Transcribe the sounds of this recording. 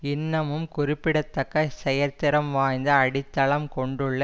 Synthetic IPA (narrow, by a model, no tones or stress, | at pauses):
ɪnːɐmɯmkʊrɪpːɪɽɐt̪ːɐkːɐsɛjɐɾt̪ɪɾɐmʋaːjnd̪ɐɐɽɪt̪ːɐɭɐmkɔɳɖɯɭːɐ